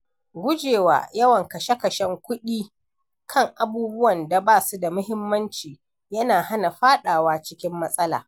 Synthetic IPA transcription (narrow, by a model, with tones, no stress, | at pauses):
ɡʷʊ˦d͡ʒeː˨wa̰ː˨jɐ˦wɐ˨ŋkɐ˨ʃe˦kɐ˨ʃɛ˦ŋkʷʊ˦ɗiː˦ | kʰɐ˦˨ŋʔa˨buː˦bʊ˦wɐ˨nda˨baː˦˨su˦da˨mʊ˦hɪ˦mːɐ˦nt͡ʃiː˨ | jɐ˦naː˨ha˦na˨ɸaː˦ɗaː˨waː˦t͡ʃɪ˦kʲɪ˦mːɐ˦sʼɐ˦la̰ː˨